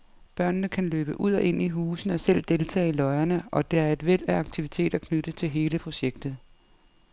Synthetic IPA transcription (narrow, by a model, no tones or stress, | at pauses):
b̥ɶɐ̰nːəkʰænløːb̥əʔuð̰ˠɒʔe̝n̰iɦuːsn̩ɒ̽sel̰d̥e̝lt͡sʰɛ̰ːilɒ̽ɪɐnəʔɒ̽d̥e̝æɐe̝d̥ʋel̰æɑ̈ɡ̥̚t͡sʰiʋit͡sʰe̝̰ːd̥ækʰnød̥ət͡sʰe̝lɦe̝ːləpʰʁo̝ɕeɡ̥̚d̥ð̩ˠ